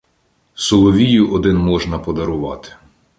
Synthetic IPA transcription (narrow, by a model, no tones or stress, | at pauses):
sɔlˠɔʋʲijʊʔɔd̪ɪnmɔʒnɐpɔd̪ɐɾʊʋɑt̪ɪ̥